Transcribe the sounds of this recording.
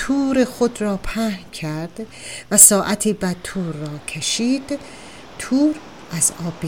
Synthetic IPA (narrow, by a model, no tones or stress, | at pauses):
t̪ʰuːɾexod̪ɾɒːpʰæhcʰæɾd̪̥ | væsɒːʔæt̪ʰiːbæt̪ʰuːɾːɒːcʰeʃiːd̪̥ | t̪ʰuːɾ | ʔæzɒːbi